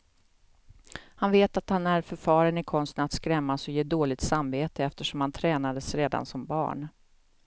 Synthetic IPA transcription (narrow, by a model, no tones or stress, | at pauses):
hanveːt̪at̪hanæɾfœɾfɑːɾənɪkʰɔnst̪ənat̪skɾɛmːasɔjeːd̪oːlɪɡ̚t̪samveːt̪əɛft̪əʂɔmhant̪ʰɾɛːnad̪əsɾeːd̪a̰nsɔmbɑ̰ːɳ